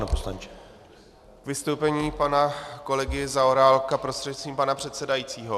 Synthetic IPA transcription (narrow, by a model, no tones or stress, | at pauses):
noposla̰nt͡ʃɛ̥ | kvɪst̪owpɛɲiːpanako̞lɛɡɪzaoɾaːlkapɾo̞st̪r̥ɛt̪t͡sviːmpanapr̝̥ɛt̪sɛdajit͡siːɦo̞